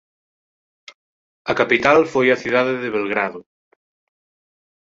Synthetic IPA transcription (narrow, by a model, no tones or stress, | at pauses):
ɐkapit̪alfojɐθuðaðeðeβelɣɾaðʊ